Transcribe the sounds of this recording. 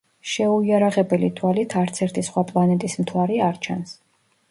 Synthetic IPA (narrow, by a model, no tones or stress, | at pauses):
ʃɛuiaɾaʁɛbɛlit̪ʰwalit̪ʰaɾt̪sʰɛɾt̪ʰisχwapʼlˠanɛt̪ʼismt̪ʰwaɾiaɾt͡ʃʰa̰ns